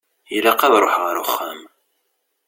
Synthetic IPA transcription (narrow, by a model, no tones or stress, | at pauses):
ilaqːɑðˤɾˤoħʁəɾʊχːæm